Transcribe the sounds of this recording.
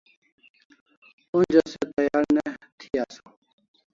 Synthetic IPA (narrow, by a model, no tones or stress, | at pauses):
und͡ʑoset̪ɐjaːɾnet̪ʰiaso